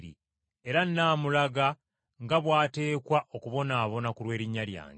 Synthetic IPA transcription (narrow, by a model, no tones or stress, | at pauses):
ɾḭ | e̞ɾanːaːmulaɡa | ŋɡaβwaːte̞ːkwaʔokuβo̞naːβo̞nakulwe̞ːɾiɲːalja̰ːŋɡe